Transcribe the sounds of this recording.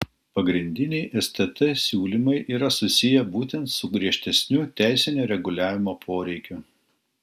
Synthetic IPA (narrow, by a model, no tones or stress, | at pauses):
pɐɡɾʲɪnʲd̪ʲɪnʲɛɪʔɛsʲt̪ʲɛt̪ɐsʲuːlʲimɐɪʔiːɾɐsʊsʲɪjɛbuːt̪ʲɛnt̪sʊɡɾʲiɛʃʲt̪ʲɛsʲnʲʊt̪ʲæˑɪsʲɪnʲoːɾʲɛɡʊlʲæːʋʲɪmoːpʰoːɾʲɛɪkʲʊ